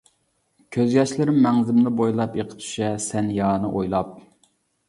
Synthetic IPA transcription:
kʲʰøzɡʲɛt͡ʃlɪɾɪmːɛŋzɪmnɨbojlˠɑpeqʰə̥t̪ʰy̥ʃɛsɛnjɑːnɨʔojlˠɑp̚

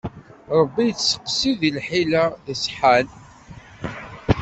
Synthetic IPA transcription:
ɾˤəbːijət͡sːsə̥qːsiðilħilaðəsħal

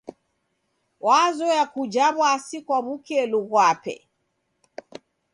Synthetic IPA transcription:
wazɔjakud͡ʒaβwasikwaβukɛluɣwapɛ̰

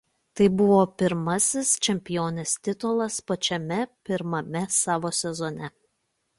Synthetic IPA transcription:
t̪ɐɪbʊʋoːpʲɪɾmɐsʲɪst͡ʃʲɛmʲpʲɪjoːnʲeːst̪ʲɪt̪ɔlˠɐspɐt͡ʃʲɛmʲɛpʲɪɾmɐmʲɛsɑːʋoːsʲɛzɔnʲɛ

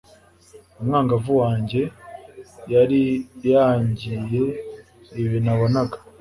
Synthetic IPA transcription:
umŋaːŋɡavuwaːɲɟe̞ | jaɾijaːɲɟije̞ː | βinaβonaɡḁ

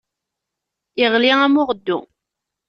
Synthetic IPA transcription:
ɪʁliæmʊʁəd̪ːṵ

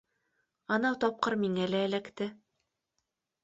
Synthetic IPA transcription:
ɑnɑwt̪ɒp̚qɤɾmiŋælæːlækt̪ɘ

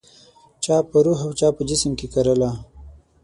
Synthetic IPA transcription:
t͡ʃɑpəɾuɦawt͡ʃɑpəd͡ʒɪsəmkekaɾəla

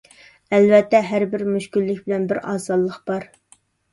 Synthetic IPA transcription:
ɛlvɛt̪ʰːɛɦæɾbɪɾmyʃkʲylːɪkʲbɪlɛnbɪɾɑ̰ːzɑd̪lˠəqb̥ɑɾ

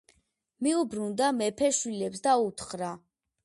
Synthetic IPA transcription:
miubɾund̪amɛpʰɛʃwilɛpsd̪aut̪ʰχɾa

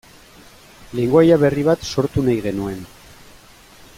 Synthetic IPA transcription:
le̞ŋɡoajaβe̞riβ̞at̪so̞ɾt̪unajɣe̞nue̞n

